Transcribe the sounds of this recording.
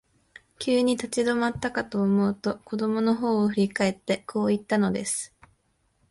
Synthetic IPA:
kʲɨːɲ̟it̪at͡ɕid̪o̞mat̪ːakat̪o̞ːmo̞ɯ̟t̪o̞ko̞d̪o̞mo̞no̞ɦo̞ːɸɯ̟ɾʲikae̞t̪ːe̞kʰo̞ːit̪ːano̞d̪e̞sɨ̥

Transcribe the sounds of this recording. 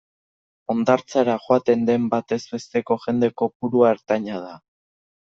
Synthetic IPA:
o̞nd̪aɾt͡saɾaʝoat̪e̞nd̪e̞mbat̪e̞zbe̞st̪e̞ko̞ʝe̞nd̪e̞ko̞puɾuaeɾt̪aɲað̞a

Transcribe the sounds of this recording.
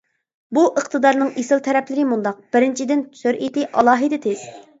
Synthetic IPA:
buʔəqt̪ʰɨd̪ɑɾnɨŋesɪlˠt̪ʰɛɾɛpʰlɪɾɪmund̪ɑq̚b̥ɪɾɪnt͡ʃʰid̪ɪnʰsøɾʔet̪ɪʔɑlˠɑːɦɨd̪ɪt̪ʰez̥

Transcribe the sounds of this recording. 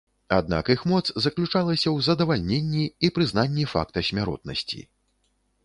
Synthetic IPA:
a̰d̪̚na̰kixmɔt̪szɐklʲut͡ʂalˠɐsʲɐwzɐd̪ɐvalʲnʲenʲːiːpɾɨznanʲːifa̰kt̪ɐsʲmʲaɾɔ̰t̪̚nɐ̰sʲt͡sʲḭ

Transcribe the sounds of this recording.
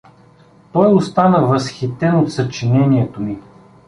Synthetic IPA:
t̪ɔjost̪anəvɐsxit̪ɛnot̪sɐt͡ʃinɛniɛt̪omi

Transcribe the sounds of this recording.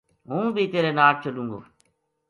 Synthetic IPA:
ɦũːbʱiːt̪eːɾeːnaːʈ̚t͡ʃəlũŋɡo̰ː

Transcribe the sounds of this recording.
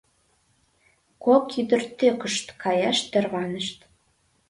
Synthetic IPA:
kokyd̪ə̆rt̪økəʃt̪kɑjɑʃt̪erβɑnəʃt̪

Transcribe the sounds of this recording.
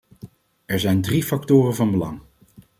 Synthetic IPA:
ɛɹzɛjndrifɑktʊːrənvɑnbəlɑ̰ŋ

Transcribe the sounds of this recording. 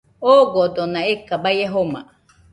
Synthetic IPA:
oɡod̪onaekabajeɦoma̰

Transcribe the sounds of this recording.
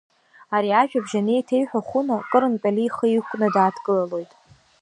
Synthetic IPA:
aɾiaʒᶣabʒanejtʰe̞jħʷᶣaχʷunakʼɨɾɨnpʼaliχəikʷʼnɨdaːtʰkʼɨlalo̞jtʼ

